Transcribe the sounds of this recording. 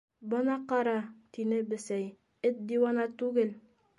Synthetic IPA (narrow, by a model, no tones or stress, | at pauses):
bɤ̆nɑqɑɾɑt̪inɘbɘ̆sæj | ɘt̪̚d̪iwɑnɑt̪ʉɡɘl